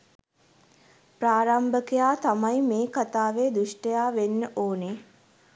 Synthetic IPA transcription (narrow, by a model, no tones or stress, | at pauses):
pɾaːɾambəkejaːt̪amajmeːkat̪aːʋeːd̪uʂʈəjaːʋenːəʔoːne